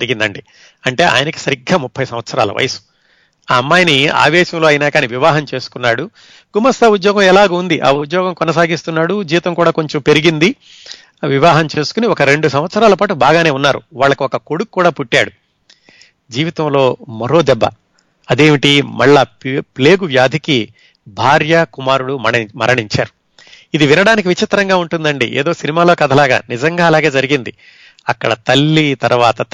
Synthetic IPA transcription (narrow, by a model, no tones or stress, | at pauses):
d͡ʒɐɾiɡind̪ɐɳɖi | ɐɳʈe̞ːa̰ːjɐnɐki̥sɐɾiɡːaːmupʰːɐjsɐmʋɐt̪sɐɾa̰ːlɐ̰ʋɐ̰jɐsu̥ | aːɐmːaːjɐnia̰ːʋɛːʃɐmloːɐjinaːkaːniʋiʋaːɦɐmt͡ʃe̞ːsu̥kunːaːɽu | ɡ̥umɐst̪ʰɐud̪jɔːɡɐmɛlaːɡuund̪iʔa̰ːud̪jɔːɡɐmkɔnɐsaːɡist̪unːaːɽud͡ʒiːʋit̪ɐmkuːɽaːkoɲt͡ʃɐmpe̞ɾiɡind̪i | ʋiʋaːɦɐmt͡ʃe̞ːsu̥kuniɔkɐɾe̞ɳɖus̬ɐmʋɐt̪sɐɾaːlɐpaːʈubaːɡaːne̞ːunːaːɾṵʋaːɭːɐkuɔkɐko̞ɽukkːuːɽaːpuʈːaːɽu | d͡ʒiːʋit̪ɐmlo̞ːmɐɾo̞ːd̪ɛbːɐ̰ | ɐd̪e̞ːmiʈimɐɭːaːpple̞ːɡuʋjaːd̪ʱiki | bʱaːɾjɐkumaːɾuɽumɐɾɐɳiɲt͡ʃa̰ːɾu | id̪iʋinɐɽaːnik̬iʋit͡ʃit̪ɾɐŋɡaːuɳʈund̪ɐɳɖḭʔḛːd̪o̞ːsinimaːloːkɐd̪ʱɐlaːɡa̰ːnid͡ʒɐŋɡaːɐlaːɡeːd͡ʒɐɾiɡind̪i | ɐkːɐɽɐt̪ɐlːit̪ɐɾʋaːt̪ɐ